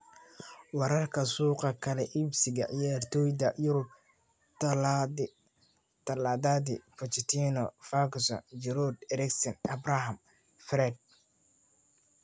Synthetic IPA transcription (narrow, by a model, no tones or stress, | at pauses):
wɑɾɐrkʰɐsuːqɑkʰɐlɛʔibsɪɣɐʕijaːrt̪ʰɔːjd̪ɐjʊɾʊb̚ | t̪ʰɐlaːd̪ad̪ɪpʰɔt͡ʃɪt̪ʰiːnɔfaksɔ̰nd͡ʒɛɾɔd̪ɛɾɛksɛnɐbrahɐm | fɾɛd̪̚